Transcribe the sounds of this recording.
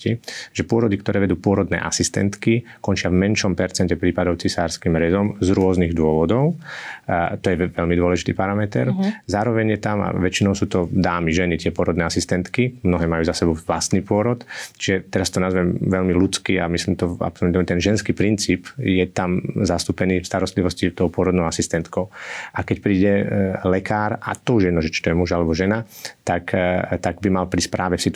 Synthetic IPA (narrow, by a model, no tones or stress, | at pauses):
iʒɛpʊɔɾɔd̪ikt̪ɔɾɛːʋɛd̪uːpʊɔɾɔd̪nɛ̰ːʔa̰sist̪ɛ̰nt̪kikɔnt͡ʃɪavmɛnʃɔmpɛɾt͡sɛncɛpɾiːpad̪ɔʊt͡sisaːɾskiːmɾɛzɔmzɾʊɔzniɣd̪ʊɔʋɔd̪ɔʊ | t̪ɔjɛʋɛlmid̪ʊɔlɛʒit̪iːpaɾamɛt̪ɛ̰ɾzaːɾɔʋɛɲjɛt̪ama̰ʋɛt͡ʃinɔʊsuːt̪ɔd̪aːmiʒɛnit̪ɪɛpʊɔɾɔd̪nɛːasist̪ɛnt̪kimnɔɦɛːmajuːzasɛbɔʊʋlast̪niːpʊɔɾɔt̪t͡ʃiʒɛt̪ɛɾast̪ɔnazʋɛmʋɛʎmilut͡skiamisliːmt̪ɔa̰psɔlut̪ɔmɛt̪ɛnʒɛnskiːpɾint͡siːpjɛt̪amzast̪uːpɛniːfst̪aɾɔst̪liʋɔscit̪ɔʊpʊɔɾɔd̪nɔʊasist̪ɛnt̪kɔʊʔakɛcpɾiːɟɛlɛkaːɾa̰t̪ɔuʒjɛd̪nɔʒɛt͡ʃi̥t̪ɔjɛmuʒalɛbɔʒɛnat̪akt̪aɡbimalpɾispɾʔaːʋɛfsit̪